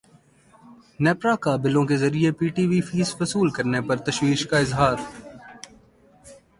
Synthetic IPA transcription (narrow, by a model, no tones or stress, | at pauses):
nɛːpɾakabɪlõkezɐɾiepiːʈiːʋifiːsfɐsuːlkɐɾnepɐɾt̪ɐʃwiːʃkaɪzɦaːɾ